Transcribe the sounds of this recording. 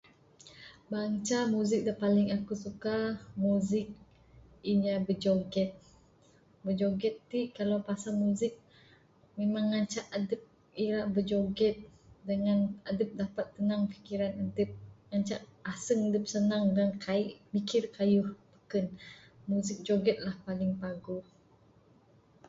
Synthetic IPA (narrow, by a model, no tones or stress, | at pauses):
baŋt͡ʃamuzɪk̚dəpalɪŋakusukamuzɪk̚ | iɲabəd͡ʒoɡɛt̪̚ | bəd͡ʒoɡɛt̪ːikalawpasamuzɪk̚ | memaŋːaɲt͡ʃaʔadəp̚ | iɾaʔbəd͡ʒoɡɛt̪̚dəŋanadəp̚dapat̪ːənaŋfi̥kiɾanadəp̚ŋat͡ʃaʔasəŋadəp̚sənaŋdankaiʔmikɪrkajʊhbəkən | muzɪk̚d͡ʒoɡɛt̪̚lahpalɪŋpaɡu